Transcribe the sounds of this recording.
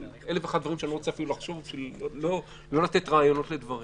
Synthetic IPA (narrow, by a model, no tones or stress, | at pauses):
eleveːχadvaʁimʃeaniʁot͡seafilulaχʃo̞vbiʃvilolo | lo̞lat̪e̞t̪ʁaːjo̞no̞t̪led̪vaʁi